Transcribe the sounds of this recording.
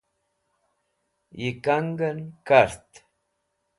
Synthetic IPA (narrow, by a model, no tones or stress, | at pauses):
jikaŋɡənkaɾt̪